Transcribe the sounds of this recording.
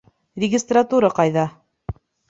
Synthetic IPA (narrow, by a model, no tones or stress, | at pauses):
lʲɪɡʲɪst̪rat̪uɾɤqɑjðɑ